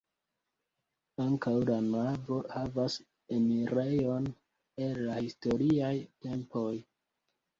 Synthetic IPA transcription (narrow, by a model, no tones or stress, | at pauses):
aŋkawlanavo̞havas | e̞miɾejo̞n | e̞lːahisto̞ɾiajte̞mpo̞j